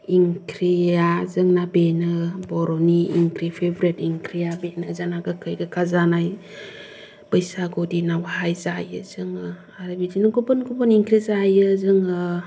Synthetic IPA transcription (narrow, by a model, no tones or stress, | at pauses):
iŋkʰɾijazɯŋnabenɯbɔɾɔniːŋkɾipʰebɾetiŋkʰɾijabenɯzanaɡɯkʰɯjɡɯkʰazanaj | bəjsaɡɔdinawɦajzajɯzɯŋɯ | aɾɯbidinɯɡɔbɯnɡubɯniŋkɾizajɯzɯŋɯ